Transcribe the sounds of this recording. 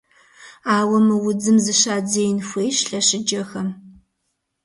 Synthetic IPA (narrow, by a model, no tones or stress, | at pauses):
aːwɐmɨwʊd͡zɨmzɨɕaːd͡zeːjnxʷeːjɕɬɐɕɪd͡ʒɐxɐm